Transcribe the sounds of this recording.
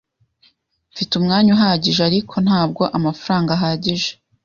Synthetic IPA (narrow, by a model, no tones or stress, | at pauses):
fitumŋaːɲuɦaːɟiʒeaɾikʰo̞n̥haːb̚ɡo̞ʔamafaɾaːŋɡaɦaːɟiʒe